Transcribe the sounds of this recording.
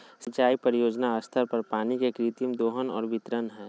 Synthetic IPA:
sɐt͡ʃaːipəɾijoːd͡ʒnaəst̪ʰəɾpəɾpaːnikekɾit̪jəmd̪oːɦənɔ̰ːɾbɪt̪ɾənɦɛː

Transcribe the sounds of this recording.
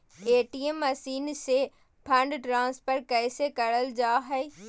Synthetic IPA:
eːʈiemːɐsiːnse | pʰɐ̃ɳɖʈɾãːspəɾkɛːsekɐɾəld͡ʒaːɦɛ

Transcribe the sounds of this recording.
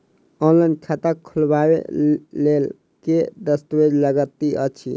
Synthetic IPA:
ɔnlainkʰat̪əkʰːulbabḛlel | ked̪əst̪əbed͡ʒləɡət̪ːiʔə̰t͡ʃʰḭ

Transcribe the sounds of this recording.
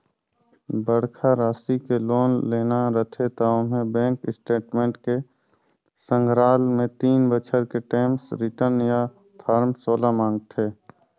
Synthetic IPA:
bəɽkʰaɾaːsikeloːnleːnaɾət̪ʰet̪aːõmẽbɛ̃ːŋkɪsʈeːʈmẽːɳʈke | sə̃ŋɡʱɾaːlmẽt̪iːnbət͡ʃʰəɾkeʈeːmsɾɪʈəɾnja | t̪ʰaːɾmsoːlamãːŋɡt̪ʰeː

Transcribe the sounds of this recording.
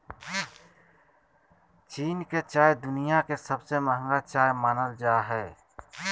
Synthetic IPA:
t͡ʃiːnket͡ʃaːjd̪ʊnijakesəbseməɦə̃ŋɡat͡ʃaːjmaːnəld͡ʒaːɦɛː

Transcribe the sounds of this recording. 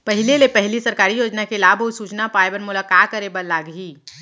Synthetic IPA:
pɐɦɪlelepɐɦɪlisɐɾkaːɾijoːd͡ʒnakelaːbʱosuːt͡ʃnapaːebənmʊlakaːt̚kəɾebɐlaːɡɦiː

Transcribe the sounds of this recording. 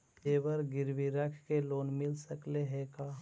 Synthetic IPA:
eːbəɾɡɪɾʋiɾəkʰkeloːnmɪlsəkleɦekaː

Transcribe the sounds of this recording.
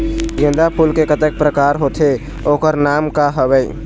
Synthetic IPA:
ɡẽnd̪apʰulkekət̪ek̚pɾəkaɾɦot̪ʰe | okəɾnamkaɦəbɛj

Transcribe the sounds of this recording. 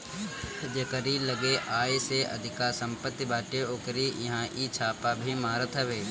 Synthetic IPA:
d͡ʒɐkəɾiləɡeʔaːjeseɐ̰d̪ʱɪkasɐ̃mpət̪ːbaːʈeoːkəɾijɐɦãʔit͡ʃʰaːpabʱimaːɾət̪ʰəʋeː

